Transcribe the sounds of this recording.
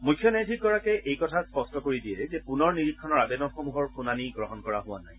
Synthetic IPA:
mukʰːjɔnajdʱikkɔɹakɛʔejkɔtʰaspɔstɔkoɹidijɛzɛpunɔɹniɹikʰːɔnɔɹabɛnɔxomuɦɔɹxunaniɡɹɔɦɔnkɔɹaɦʊwanaj

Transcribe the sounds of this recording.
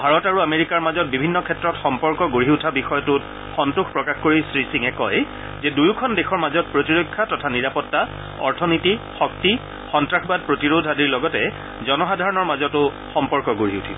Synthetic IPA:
bʱaɹɔtaɹuameɹikaɹmazɔt̚bibʱinːɔkʰɛtɹɔtxɔmpɔɹkɔɡuɹiutʰabixɔjɔtʊt | xɔntuxpɹɔkaxkoɹisɹisiŋɛkɔj | zɛdujkʰɔndexɔɹmazɔt̚pɹotiɹokʰːatɔtʰaniɹapɔtːa | ɔɹtʰɔniti | xɔk̚ti | xɔntɹaxbad̚pɹotiɹodʱɦadiɹlɔɡɔtɛ | zɔnɔxadʱaɹɔnɔɹmazɔtʊ | xɔmpɔɹkɔɡuɹiutʰi

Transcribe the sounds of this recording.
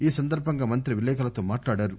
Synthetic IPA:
isɐnd̪ɐɾpɐŋɡɐmɐnd̪ɾiʋɪɭːɐjkːɐːlɐt̪ːɯmaːʈraːɽɐɾ

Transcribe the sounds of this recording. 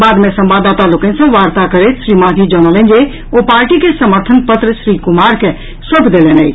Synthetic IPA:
baːd̪mẽsɐ̃mbaːd̪at̪aloːkẽnsɐ̃ʋaːɾt̪akɐɾeːt̪ʃɾiːmãːd̪ʱid͡ʒɔːñəlẽːnd͡ʒe | opaːɾʈikesəməɾt̪ʰənpət̪ɾəʃɾiːkʊmaːɾke | sokʰd̪eːlẽːnːi

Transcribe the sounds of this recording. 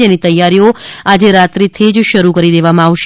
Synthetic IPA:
enit̪əjːaɾijoad͡ʒeɾat̪ɾit̪ʰid͡ʒʃəɾukəɾid̪eʋamãaʋʃ

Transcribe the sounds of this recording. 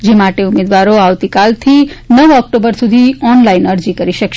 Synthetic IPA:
d͡ʒemaʈeʊmed̪ʋaɾoawt̪ikalt̪ʰinəʋɔk̚ʈobəɾsud̪ʱiɔnlaɪnəɾd͡ʒikəɾiʃəkʃ

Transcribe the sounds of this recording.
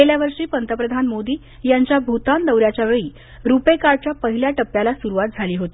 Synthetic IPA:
keljaʋəɾʂiːpənt̪əpɾəd̪ʱanmod̪iː | jaɲt͡ɕjabʱut̪and̪əwɾjat͡ɕjaʋeɭiː | ɾupekaɽt͡ɕjapəɦiljaʈəpːjalasuɾuʋat̪̚d͡zʱaliːɦot̪iː

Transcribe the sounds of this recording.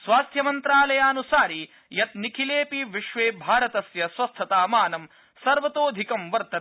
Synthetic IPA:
sʋaːst̪ʰjɐmɐnt̪ɾaːlɐjaːnusaːɾi | jɐt̪nikʰileːpiʋiʃʋeːbʱaːɾɐt̪ɐsjɐsʋɐst̪ʰɐt̪aːmaːnɐm | sɐɾʋɐt̪oːd̪ʱikɐmʋɐɾt̪ɐ

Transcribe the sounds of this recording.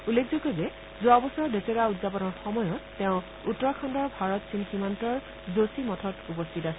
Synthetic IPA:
ulːekʰzokɔzɛ | zʊaɔbɔsaɹdesɛɾaudzapɔnɔɹxɔmɔjɔtːɛʊ̃ | utːɹɔkʰandɔɹbʱaɹɔtsinximantɔɹ | zosimɔtʰɔtupɔstʰitasɛ

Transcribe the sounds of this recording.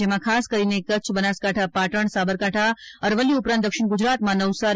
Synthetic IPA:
emãkʰaskəɾinekət͡ʃʰbənaskaʈʰapaʈəɳ̃sabəɾkaʈʰaəɾʋəliʊpɾãnt̪̚d̪əkʃɪɳɡʊd͡ʒɾat̪mãnəwsaɾ

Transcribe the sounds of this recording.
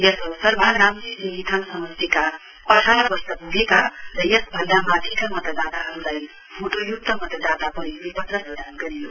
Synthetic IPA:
jʌsosʌrbʱanamsiŋit̪ʰansʌmʌst̪ika | pʌʈʰaɾabʌst̪ʌbʱuɡekarʌjʌsbʱʌnd̪amat̪ʰikamʌt̪əd̪at̪aɦʌɾulaj | bʰʱoʈojuk̚t̪ʌmʌt̪ʌd̪at̪apʌnibepʌt̪rʌpʌd̪ʱanɡʌɾijo

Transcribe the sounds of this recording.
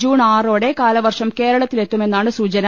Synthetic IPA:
d͡ʑuːɳaːro̞ːɽe̞kaːlɐʋɐrʂɐmke̞ːɾɐɭɐt̪ːile̞t̪ːume̞nːaːɳɨsuːt͡ɕɐnɐ

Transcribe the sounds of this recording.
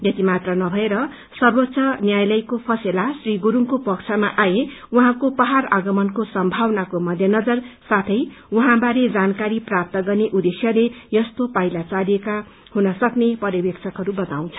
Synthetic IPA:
jʌt̪imat̪rʌnʌbʱʌeɾʌ | sʌrbʌt̪ːsʰʌnjajlʌjkopʰʌselasriɡuɾuŋkopʌkt͡sʰʌmaʔaewuɦãkopʌɦaɾa̰ɡʌmʌnkosʌmbʱawnakomʌd̪ʱjʌnʌd͡zʌrsat̪ʰʌjwuɦãbaɾed͡zankaɾiprap̚t̪ʌɡʌrneʔud̪esjʌlejʌst̪opajlat͡salieka | hunʌsʌknepʌɾibekt͡sʰʌkɦʌɾubʌt̪aw̃nt͡sʰʌ̥

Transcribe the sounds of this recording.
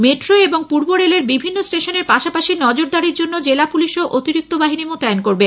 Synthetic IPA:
meʈɾoeboŋpuɾboɾeleɾbibʱinːosʈeʃoneɾpaʃapaʃinɔd͡ʑoɾd̪aɾiɾd͡ʑonːod͡ʑelapuliʃoʔot̪iɾik̚t̪obaɦinimot̪aenkoɾbe

